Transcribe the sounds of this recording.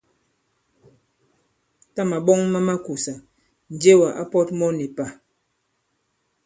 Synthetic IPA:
ta˦ma˨ɓɔ˦ŋma˦ma˦ku˨sa˨ | n̩˨d͡ʒe˦wa˨ʔa˦pɔ˦t̚mɔ˦ni˨pa˨

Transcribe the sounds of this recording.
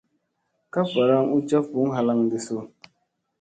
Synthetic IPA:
ka˦pa˨ɾa˦ŋu˦t͡ʃa˦fu˨˦ɦa˦la˦ŋdi˨so˦˨

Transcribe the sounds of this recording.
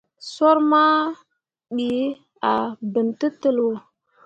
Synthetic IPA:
so˦ɾma˦ | ɗi˨ | a˨bə˨ntə˦tə˦lo˨

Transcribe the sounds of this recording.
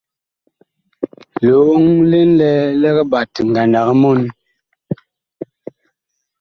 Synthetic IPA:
lo˨˦o˦ŋle˦nlɛ˦lɛ˦ɣɛ˦ba˨ti˨ŋ˨ɡa˨nda˨ɣə˦mo˦˨n˨

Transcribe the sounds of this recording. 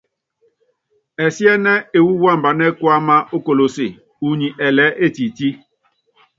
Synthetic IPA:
ɛ˨si˦ɛ˦nɛ˦e˨wu˦wa˦˨m˨ba˨nɛ˦kwa˦ma˦o˦ko˨lo˨se˨ | u˨ɲi˨ʔɛ˨lɛ˦ʔe˦˨ti˨ti˦

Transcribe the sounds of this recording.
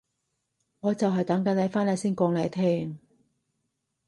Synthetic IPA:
ŋɔː˨˧t͡sɐ˨wɦɐ˨jt̪ɐ˨˥ŋkɐ˨˥nlɐ˨˥faː˥nlɐ˨˧˥siː˥nkɔː˧ŋlɐ˨˧jt̪ʰɛː˥ŋ

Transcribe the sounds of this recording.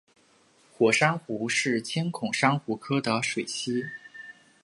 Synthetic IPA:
xwɔ˨˩ʂa˥ŋxu˧˥ʂɻ̩˥˩t͡ɕʰjɛ˥nkʰʊ˨˩ŋʂɑ˥ŋxu˧˥kʰɤ˥d̪ə˨ʂwe˨˩ɪt͡ɕʰi˥

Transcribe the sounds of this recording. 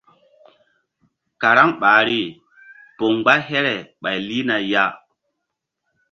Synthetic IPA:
ka˨ɾa˦ŋɓaː˨ɾi˦ | po˨ŋɡ͡ba˦ɦe˦ɾɛ˨ɓa˨jli˦na˨ja˦

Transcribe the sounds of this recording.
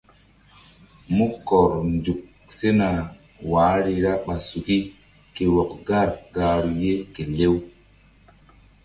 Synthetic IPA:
mu˦kɔ˨ɾnd͡ʒu˨k̚ | se˦na˨ | waː˨˦ɾi˧ɾa˦ɓa˨su˨ki˦ | ke˨wɔ˨kɡa˦˨ɾɡa˨ɾu˨je˦ke˨le˦w

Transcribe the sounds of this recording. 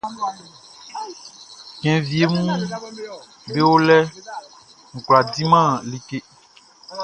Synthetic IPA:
kɛ̃˨vi˨e˦m̃ũ˦ | be˦wo˦lɛ˦ | ŋ̩˨kla˨di˦mã˦˨li˨ke˦

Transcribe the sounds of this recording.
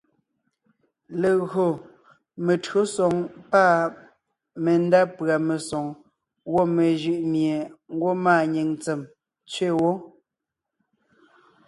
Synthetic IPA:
le˨ɣɰo˨ | me˨tɰo˨˦sɔ˨ŋpa˦˨ | me˨n˦da˦pɰa˨me˨sɔ˨ŋ | wo˦˨me˨ʒɯ˦˨ʔmje˨ŋ˦ɡwo˦maː˦˨ɲe˨ŋt͡se˨m | t͡sɥe˦˨wo˦

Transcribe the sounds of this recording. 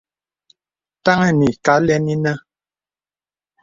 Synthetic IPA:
ta˦ŋɛ˦˨ni˨ka˨˦lɛ˦ni˦nə˦

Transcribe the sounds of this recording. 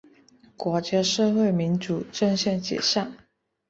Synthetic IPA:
kwɔ˧˥t͡ɕja˥ʂɤ˥˧xwe˥˩ɪmi˧˥nt͡su˨˥ʈ͡ʂə˥˧ŋɕjɛ˥˩nt͡ɕjɛ̰˨˩ʂa˥˩ŋ

